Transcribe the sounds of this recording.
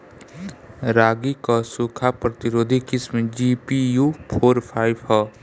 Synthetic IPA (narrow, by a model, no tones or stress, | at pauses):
ɾaːɡikasukʰapɾət̪ɪɾoːd̪ʱikɪsmed͡ʒiːpijupʰoːɾpʰaːɪbɦɔ